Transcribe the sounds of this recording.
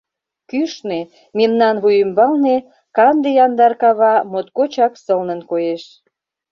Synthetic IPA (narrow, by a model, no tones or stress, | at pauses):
kyʃne | memnɑnβujəmbɑlne | kɑnd̪ejɑnd̪ɑrkɑβɑmot̪kot͡ɕɑksəlnə̆nkojeʃ